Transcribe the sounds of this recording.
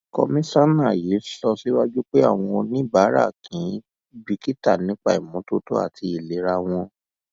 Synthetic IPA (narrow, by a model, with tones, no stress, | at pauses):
kɔ̰˧mĩ˦sa˦nã˦˨ji˨˦sɔ˧si˦wa˦d͡ʒu˦k͡pe˦a̰˦˨w̃ɔ̃˧o˧nĩ˦ba˨˦ɾa̰˦˨kʰĩ˨˦ | bi˧ki˦ta˦˨nĩ˦k͡pa̰˧i˨mũ˨˦to˦to˦a̰˦˨tʰi˧i˨le˨˦ɾa˧w̃ɔ̃˧